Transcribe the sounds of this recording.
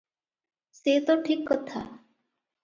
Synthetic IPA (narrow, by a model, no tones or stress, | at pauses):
set̪ɔʈʰikːɔt̪ʰa̰